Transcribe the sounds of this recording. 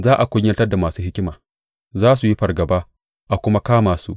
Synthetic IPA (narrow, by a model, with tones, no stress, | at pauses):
zaː˦ʔa˨kʷʊ˦ɲː˦ɐ˦ltɐ˦rda˨maː˨suː˦hɪ˦kʲɪ˦maː˨ | zaː˦s̬u˨ji˦ɸɐ˨rɡɐ˨baː˦ | ʔa˨kʷʊ˦ma˦kaː˦maː˨sṵ˦ʔ